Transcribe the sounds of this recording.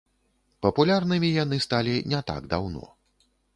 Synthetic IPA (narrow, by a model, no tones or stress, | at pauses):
pɐpulʲarnɨmʲijan̪ɨst̪alʲinʲɛt̪a̰ɡd̪a̰wnɔ̰